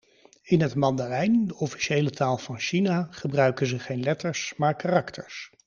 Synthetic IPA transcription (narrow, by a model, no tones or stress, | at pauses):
ɪnɦətmɑndalɛjndəɔfi̥ʃejlətaːlˠvɑnʃinaːχəbrœɥkənzəχejnlɛtəɹsmaːɹkarɑktʰəɹs